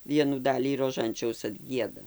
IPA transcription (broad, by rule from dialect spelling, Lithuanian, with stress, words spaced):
ˈʋʲiɛnuː ˈdɑːlʲiː roːˈʒɐnʲt͡ʃʲɛʊs ɐdʲˈɡʲiɛdɐ